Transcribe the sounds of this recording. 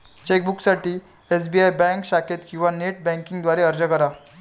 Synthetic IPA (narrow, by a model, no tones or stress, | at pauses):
t͡ɕek̚buksaʈiː | es̬biajbɛ̃ŋkɕaket̪kĩw̃ʋaneʈ̚bɛ̃ŋkiŋɡd̪ʋaɾeəɾd͡ʑakəɾa